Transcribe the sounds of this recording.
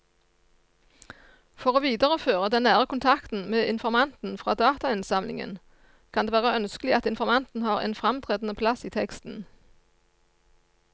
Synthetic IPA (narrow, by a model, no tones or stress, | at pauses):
fɔʁoːʋiːd̪əʁəføːʁəd̪ɛnːæːʁəkʰʊnt̪ʰɑkt̪n̩meːʔɪnfɔʁmɑnt̪n̩fʁɑːd̪ɑːt̪ɑɪnsɑmlɪ̰ŋə̰n | kʰɑnd̪eːʋæːʁəœnskəlɪɑt̪ɪnfɔʁmɑnt̪n̩hɑːʁḛːnfʁɑmt̪ʰʁeːd̪n̩əpʰlɑsiːt̪ʰɛkst̪n̩